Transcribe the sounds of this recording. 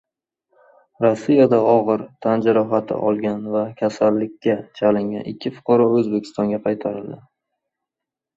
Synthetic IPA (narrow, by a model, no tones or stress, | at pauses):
ɾɒsːijad̪aɒʁɨɾt̪ʰand͡ʒaɾɒɦat̪ʰɪ̰ʔɒlˠɡʲanvakʲʰasalːɪkʲːat͡ʃʰalɪŋɡʲa̰nɪ̰kʲʰːɪfʊ̥qʰɒɾɒɵzbekʲʰɪ̥st̪ɒŋɡʲaqʰɑjt̪ʰaɾɪld̪ɪ